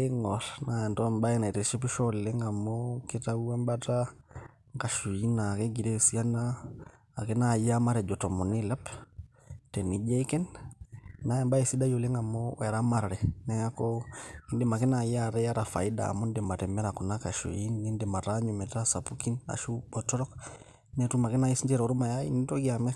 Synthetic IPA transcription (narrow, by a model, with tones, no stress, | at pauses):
ɛ˦ŋɔ˨ɾna˨ɛ˨ntɔ˦mba˦ɛ˦na˨tɛ˨ʃɛ˦pi˦ʃɔlɛ˦ŋa˨mɔkɛ˦ta˦u˦wɛ˦mbata | ŋka˨ʃu˨i˦na˨kɛ˦ɡi˨ɾɛsi˦a˦naː˦˨ | kɛ˦na˨ja˦ma˦ɾɛ˨d͡ʒɔ˨tɔ˨mɔ˨ni˦la˦p | tɛ˨ni˨d͡ʒɛ˦ikɛ˦nː | a˦jɛ˨mba˦ɛ˨si˦da˦jɔ˨lɛ˦ŋa˨mɔ˦wɛ˨ɾa˦ma˨ɾɾɛnɛja˦kɔi˦ndɛ˦ma˨kɛ˦na˨jiaɾɛ˦ja˦ɾa˨fa˨i˦da̰ː˨mɔndɛma˨tɛ˨mɛ˦ɾa˨ku˨na˦ka˨ʃṵ˨i˦nːi˦ndɛma˨ɾaɲɔmɛ˨tasa˨puki˦na̰˨ʃu˦bɔtɔ˦ɾɔ˦k | nɛtuma˨kɛ˦na˦i˦si˦nd͡ʒɛ˦ɾɔ˨ɾu˦ma˨ja˦i˦nitɔ˦ɡiamɛ˦